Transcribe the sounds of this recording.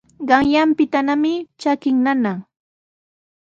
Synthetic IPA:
ɢɑŋjampɪt̪anamɪt͡ʃakɪŋnana

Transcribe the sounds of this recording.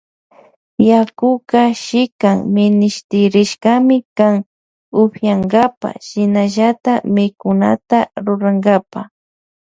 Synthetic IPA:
jakʊkaʃɪkaŋmɪnɪʃt̪ɪɾɪʃkamɪkaŋ | ʊhjaŋɡapa̰ʃɪnaʒat̪amɪkʊna̰t̪aɾʊɾaŋɡapa

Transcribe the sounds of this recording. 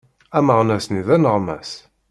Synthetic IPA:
æməʁnæsniðænəʁmæ̰s

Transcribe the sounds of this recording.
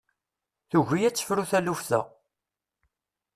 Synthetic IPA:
θuʝijæt͡sːə̥fɾuθælufθæ̰

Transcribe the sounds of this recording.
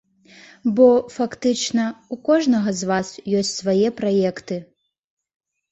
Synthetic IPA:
bɔfakt̪ɨt͡ʂnɐukɔʐnɐɣɐzvasjɔsʲt͡sʲsvajɛpɾajɛkt̪ɨ

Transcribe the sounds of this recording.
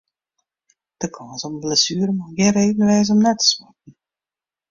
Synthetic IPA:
d̥əkʰɔːsɔməblɛsyːɾəmaɡɪɾevənəʋɛjs̬ɔmnɛtʰə̥swak̚n̩

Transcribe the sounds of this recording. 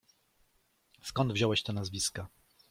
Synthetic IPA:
skɔnd̪vʑɔwɛɕt̪ɔnazvʲiska

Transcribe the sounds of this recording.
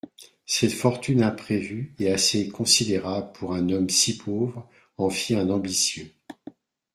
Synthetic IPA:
sɛt̪fɔʁt̪ynɛ̃pχevyeasekɔ̃sid̪eʁabləpʰuʁɛ̃nɔmsipʰovʁ | ɑ̃fjiɛ̃nɑ̃bisjø

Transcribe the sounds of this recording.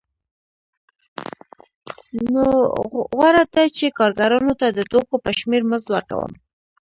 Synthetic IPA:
noɣwaɾad̪at͡ʃekɑɾɡaɾɑnot̪ad̪ət̪okopəʃmeɾməzwə̰ɾka̰wə̰m

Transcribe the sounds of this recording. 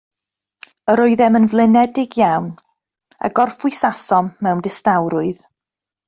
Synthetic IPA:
əɾɔɨðɛmənvlˠɪnɛdɪɡjawn | a̰ɡɔrfʊɨsasɔmːɛwndɪstawɾʊɨð

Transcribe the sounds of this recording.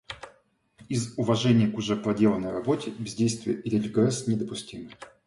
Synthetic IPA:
izʊvɐʐɛnʲɪjəkʊʐɛpɾɐdʲe̞lˠənəjrɐbo̞tʲɪbʲɪzʲdʲejst̪vʲɪjəʔɾʲɪlʲɪɡrɛsnʲɪd̪əpʊsʲtʲimɨ

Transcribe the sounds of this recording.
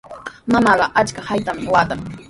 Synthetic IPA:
mamɑɢɑʔat͡ʃkahajt̪amwaːt̪aŋ

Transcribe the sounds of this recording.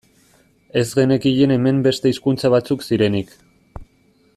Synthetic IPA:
e̞zɣe̞ne̞kiʎene̞me̞mbe̞st̪e̞iskunt͡saβ̞at͡suksiɾe̞nik

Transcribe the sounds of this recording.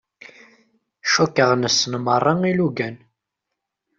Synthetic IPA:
ʃukːəʁnəsənmərˤːɑŋiluɡæn

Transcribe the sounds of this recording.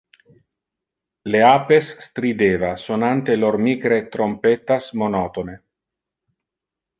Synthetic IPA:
leaːpesːt̪ɾid̪eːvasonant̪eloɾmiːkɾet̪ɾompet̪asmonɔt̪one

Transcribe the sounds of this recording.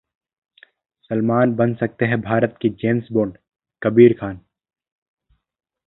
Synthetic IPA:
sɐlmaːnbɐnsɐk̚t̪eɦɛ̃bʱaːɾət̪kid͡ʒeːnsboːɾɖ | kɐbiːɾkʰaːn

